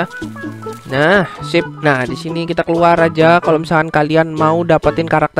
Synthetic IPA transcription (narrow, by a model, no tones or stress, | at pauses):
nahsɪp̚nahdisinikit̪akəluaɾad͡ʒakaloməsaankalianmaudapat̪ɪnkaɾak̚t̪ə